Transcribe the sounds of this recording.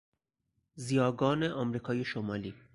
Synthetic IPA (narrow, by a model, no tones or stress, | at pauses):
zijɒːɡɒːneʔɒmɾiːkʰɒːjeʃomɒːliː